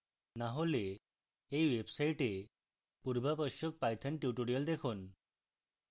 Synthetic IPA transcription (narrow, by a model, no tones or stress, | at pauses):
naɦole | eiʋebsaiʈe | puɾbapəɕuk̚pajt̪ʰənʈjuʈuɽijəld̪ekʰon